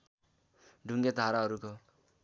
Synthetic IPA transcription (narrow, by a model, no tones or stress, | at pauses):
ɖʱuŋɡed̪ʱaɾaʌɾuko